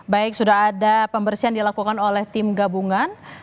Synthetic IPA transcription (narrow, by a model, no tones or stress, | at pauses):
baɪk̚sudaɦadapəmbərsiɦandilakukanolɛht̪ɪmɡabuŋan